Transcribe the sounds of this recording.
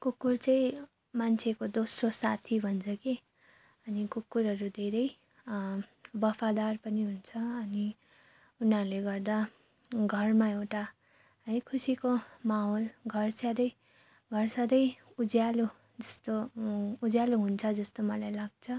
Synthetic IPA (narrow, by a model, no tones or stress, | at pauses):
kukːurt͡sʌĩ | mant͡sʰekod̪osrosat̪ʰibʱʌnt͡sʰʌke | ʌnikukːuɾɦʌɾud̪ʱeɾʌj | bʌpʰad̪arpʌniɦunt͡sʰʌːni | unʌɾuleɡʌrd̪a | ɡʱʌrmaewʈa | ɦʌjkʰusikomaɦolɡʱʌrsad̪ʌj | ɡʱʌrsʌd̪ʌj | ud͡zjalu | d͡zʌst̪oud͡zjaluɦunt͡sʰʌd͡zʌst̪omʌlajlaɡ̚t͡sʰʌ